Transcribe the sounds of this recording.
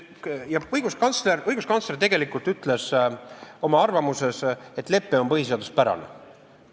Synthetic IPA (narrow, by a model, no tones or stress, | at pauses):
jɑɤjɡ̥uskɑnt̪sleɾɤjɡ̥uskɑnsle̞rt̪e̞ɡ̥e̞likˑult̪yt̪ːˑle̞s | o̞mɑɑrvɑmuse̞set̪ːˑle̞pːeo̞mpɤɦhis̬e̞ɑd̪̥uspæɾɑ̰nḛ